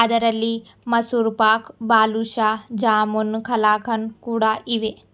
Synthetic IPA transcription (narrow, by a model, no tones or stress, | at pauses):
ɐd̪ɐɾɐlːi | mɐsuːɾpaːkbaːluʃaːd͡ʒaːmunkʰɐlaːkʰɐnkuːɽaʔiʋe